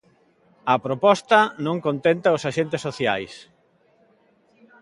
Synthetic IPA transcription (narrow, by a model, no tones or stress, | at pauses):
ɐpɾopɔst̪ɐnõŋkont̪ent̪ɐʊsaʃent̪eɪsːoθjajs